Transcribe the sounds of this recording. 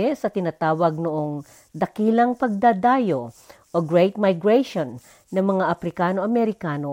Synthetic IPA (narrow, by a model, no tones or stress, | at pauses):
sɐt̪ɪnat̪aːwɐɡ̚nʊʔoŋ | d̪ɐkiːlɐŋpɐɡ̚d̪ad̪aːjoʔoɡɹejt̪̚majɡɹɛʃonː | ɐŋmɐŋaʔɐpɾɪkaːnoʔɐmɛɾɪkaːno